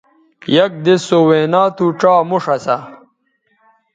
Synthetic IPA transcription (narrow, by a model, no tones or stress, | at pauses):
jɐk̚d̪esoweːnaːt̪uʈ͡ʂaːmuʂɐsa